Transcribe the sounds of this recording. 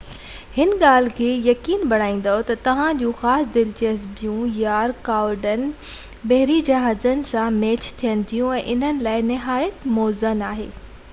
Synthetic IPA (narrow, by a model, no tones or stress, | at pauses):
hɪnɠaːl̤ɪkʰeːjɐkiːnbɐɽ̤aːĩːn̆d̪ot̪ɐt̪ɐʋ̤ãd͡ʑũːxaːsd̪ɪlt͡ɕəzbijũjaːɾkaːɾɖən | bɐɦɪɾid͡ʑɐɦaːzənɪ̆sãmeːt͡ɕt̪ʰijənɪ̆t̪ʰijũɛ̃ːʔɪn̤ənɪ̆laːɪnɪɦaːjət̪moːzənaːɦḛː